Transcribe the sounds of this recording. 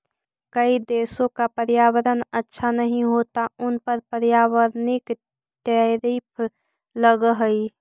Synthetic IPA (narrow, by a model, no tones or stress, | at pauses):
kəid̪eːsõkapəɾjaːwəɾənətːʃʰanəɦĩɦoːt̪aʊnpəɾpəɾjaːwəɾnɪk | t̪əɾipʰ | ləɡɦəi